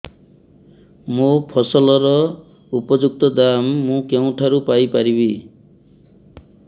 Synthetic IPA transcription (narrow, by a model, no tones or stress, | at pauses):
mopʰɔsɔlɔɾɔ | upɔd͡ʒuk̚t̪ɔd̪amːũkew̃ʈʰaɾupajpaɾibi